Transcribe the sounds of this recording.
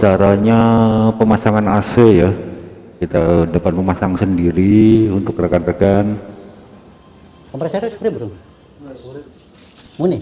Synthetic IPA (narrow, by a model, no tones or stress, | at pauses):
t͡ʃaɾaɲapəmasaŋanaseja | kit̪adəpat̪̚məmasaŋsəndiɾiunt̪ʊkːɾakat̪akan | ampɾasaɾspɾibɾuŋ | muni